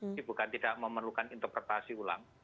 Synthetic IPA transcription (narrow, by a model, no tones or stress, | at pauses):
ibṳkant̪idaʔməmərlukanint̪ərpɾet̪asiula̰ŋ